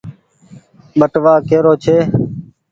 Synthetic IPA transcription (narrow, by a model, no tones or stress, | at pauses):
ɓəʈʋaːkeːɾoːt͡ʃʰeː